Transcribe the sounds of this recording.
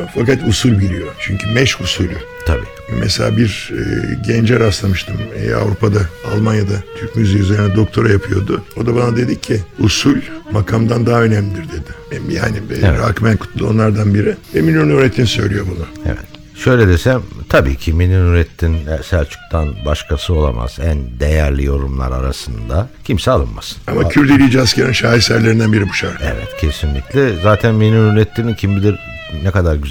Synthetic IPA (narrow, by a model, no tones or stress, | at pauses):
fakat̪usulʲbiɾʲijo̞t͡ʃʰyɲcʰymɛʃusulʲy | t̪ʰabḭː | mʔɛselʲa̰ːbiɾ̰ɟɛnd͡ʒɛɾaslˠamɯʃt̪ʰɯm̰ːa̰vɾupʰad̪aalˠmanjad̪at̪ʰyɾcmyzijyzeɾinɛd̪o̞k̚t̪ʰo̞ɾajapʰɯjo̞d̪ʊo̞d̪abanad̪ed̪icʰːɪusulʲmakʰamd̪and̪aɦaø̞nɛmlʲid̪iɾd̪e̞d̪ɪja̰ːniɾakmænkʰu̥t̪ʰlˠo̞̰nlˠaɾd̪anbiɾɪɛminuɾunyɾet̪ʰːinisøjlʲijo̞bunʊḛvɛ̰t̪ | ʃø̞jlʲɛd̪e̞sæmt̪ʰabḭːcʰiminyɾnyɾɛt̪ʰːinsælʲt͡ʃʰu̥k̚t̪ʰanbaʃkʰasɯo̞lˠa̰ma̰z̥ænd̪ejæɾlʲijo̞ɾumlˠa̰ɾa̰ɾa̰sɯnd̪acʰimsɛalˠɯnmasɯ̥namacʰyɾd̪ilʲid͡ʒiascʰaɾinʃaːisæɾlʲe̞ɾind̪ænbiɾibu̥ʃaɾḛvɛ̰t̪cʰe̞sinlʲicʲlʲɛzaːt̪ʰænminuɾyɾɛt̪ʰːinincʰimbid̪iɾ | nɛkad̪aɾɟy